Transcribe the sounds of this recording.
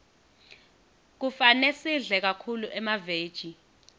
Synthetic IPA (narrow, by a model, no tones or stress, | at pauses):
k̬ufanesiɮɛk̬akʰuluʔɛmaveːd̥ʒ̥ʱi